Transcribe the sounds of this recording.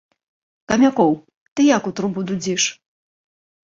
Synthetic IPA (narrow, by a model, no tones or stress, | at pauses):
kɐmʲakɔw | t̪ɨjakut̪ɾubud̪ud͡zʲiʂ